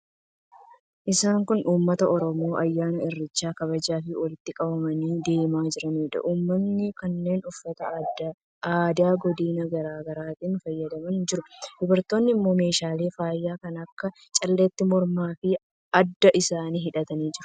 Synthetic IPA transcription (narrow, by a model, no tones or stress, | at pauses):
ʔɪsaːŋkʊnʔuːmːɐt̪ɐʔɔɾɔmo̞ːʔɐjːaːnɐɪrːɪt͡ʃːaːkɐβɐd͡ʒaːfɪwɔlɪt̪ːɪkʼɐbɐmɐniːd̪e̞ːmaːd͡ʒɪɾɐniːᶑɐ̰ʔuːmːɐnːɪkɐnːe̞ːnʊfːɐt̪ɐd | aːd̪aːɡɔd̪iːnɐɡɐɾaːɡɐɾaːt̪ʼɪnʊfɐjːɐd̪ɐmɐnd͡ʒɪɾʊd̪̥ɔbɐɾt̪oːnːɪmːo̞ːme̞ːʃaːle̞ːfaːjːaːkɐnɐkːɐ | t͡ʃʼɐlːeːt̪ːɪmɔɾmaːfɪ | ɐd̪ːɐʔɪsaːniːɦɪᶑɐt̪ɐniːd͡ʒɪɾʊ̥